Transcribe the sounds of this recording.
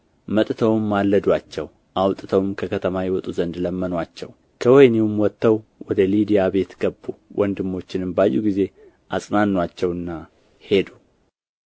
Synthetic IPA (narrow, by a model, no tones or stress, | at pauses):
mət̪ʼt̪ʰəwmːalːəd̪wat͡ʃːɛw | ʔawt̪ʼt̪ʰəwmkʰəkʰət̪ʰəmajɛwɔt̪ʼuzənd̪ləmːənwat͡ʃːɛw | kʰəwɔjnewumwɔt̪ːəwwɔd̪əlid̪ijabe̞t̪ɡ̥əbːuwʔɔnd̪ɨmːo̞t͡ʃːɪnɨmbajːuɡize̞ | ʔasʼnanːwat͡ʃːɛwɨnːa | he̞d̪u